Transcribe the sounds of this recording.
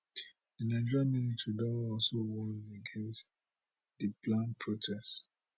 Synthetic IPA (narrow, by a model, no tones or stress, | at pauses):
dinad͡ʒɔɹamilitɹidɔlaɔlsowɔ̃neɡẽns | dəplãnpʰɹotʰɛst